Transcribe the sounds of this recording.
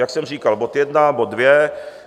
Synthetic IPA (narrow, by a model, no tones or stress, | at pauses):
jaksɛmr̝iːkalbot̪jɛdnabot̪̚dvjɛ